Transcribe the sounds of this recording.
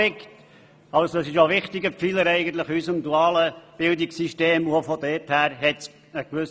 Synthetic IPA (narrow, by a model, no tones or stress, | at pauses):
ɪkt | ɑlsɑsɪʃoʋɪχt̪ɪɡəfiləɾɛɪɡən̩t̪ləχysəmduɑːləb̥ɪld̪ɪksiʃteːmuofɔd̪ɛthæːɾɦɛts | əkʋʉs